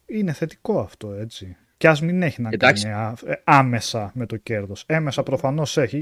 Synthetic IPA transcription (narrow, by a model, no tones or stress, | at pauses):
ine̞θe̞t̪i̥ko̞ɐft̪o̞e̞t͡si | ceɐzmine̞çinɐaniɐɐme̞sɐme̞t̪o̞ce̞ɾðo̞se̞mesɐpɾo̞fɐno̞seçi